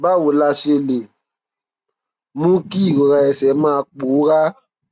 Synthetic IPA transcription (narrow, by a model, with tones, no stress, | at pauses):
ba˦˨wu˨la˧ʃe˧le˨ | mũ˦ki˦˨ɣo˨ɣa˧ɛ˨sɛ˨˦maː˦˨˦k͡puː˨˦ɣa˦